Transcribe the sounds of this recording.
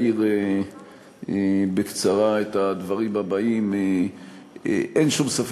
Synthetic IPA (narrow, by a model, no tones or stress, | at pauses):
iʁe | bekt͡saʁaet̪ad̪vaʁimabaime | ʔenʃumsaf